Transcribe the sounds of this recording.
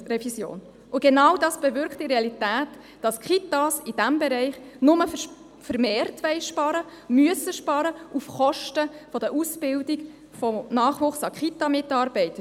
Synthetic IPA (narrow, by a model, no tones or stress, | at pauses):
rɛvisjo̰ːn | ʊɡ̥enɑwdɑsb̥ɛvʏɾkχtːiɾeɑlitæːt | d̥ɑskχitɑsid̥æmbeɾɛɪχnʊmə | fəɾmeːrtʋɛɪʃpɑɾə | myəsəʃpɑːɾəufχɔʃtəfɔd̥əʔusb̥ɪldiɡ | fɔnɑːχʋʊχsɑkχitɑmɪtɑɾb̥ɛɪtə